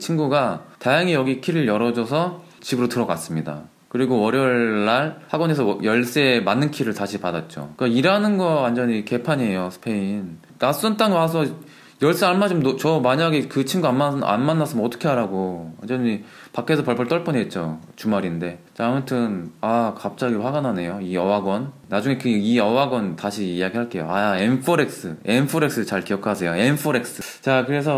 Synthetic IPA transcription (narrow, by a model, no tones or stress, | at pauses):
t͡ɕʰinɡuɡatajaŋijʌɡikʰiɾɯɭjʌɾʌd͡ʑʌs̬ʰʌ | t͡ɕibɯɾotɯɾʌkas͈ɯmɲida̰ | kɯɾiɡoʌɾjʌɭːaɭhaɡʌne̞sʰʌjʌɭs͈eemanːɯnkʰiɾɯɭtaɕʰipadat̚t͡ɕ͈o̰kɯkaiɾanɯnɡʌwand͡ʑʌɲike̞pʰaɲie̞josʰɯ̥pʰe̞in | nas͈ʌnt͈aŋewasʰʌ | jʌɭs͈ɯaɭmad͡ʑomot͡ɕʌmaɲaɡekɯt͡ɕʰimɡaanmaa̰nmanːas͈ɯmʌʌt͈ʰʌ̥kʰe̞ɦaɾaɡowa̰nd͡ʑʌɲi | pakʰe̞sʰʌpʌɭpʰʌɭt͈ʌɭp͈ʌɲiɦet̚t͡ɕ͈ot͡ɕumaɾinde̞t͡ɕaamutʰɯnakap̚t͡ɕ͈aɡidowaɡanane̞joiʌwaɡwʌnːad͡ʑuŋe̞kɯiʌwaɡwʌntaɕʰiːjaɡiɦaɭk͈e̞jo̰aenpʰoɾe̞k̚s͈ɯenpʰoɾe̞ks͈ɯt͡ɕaɭkiʌkʰsʰe̞joenpʰoɾe̞k̚s͈ɯ | t͡ɕakɯɾe̞sʰʌ